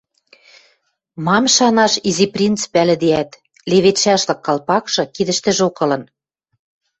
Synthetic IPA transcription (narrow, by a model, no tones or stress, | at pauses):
mɑmʃɑnɑʃiziprʲint̪t͡spælɘ̆d̪eæt̪ | leβet̪ʃɑʃlɤ̆kːɑlpɑkʃɤ̆kid̪ɘ̆ʃt̪ɘ̆ʒokɤ̆lɤ̆n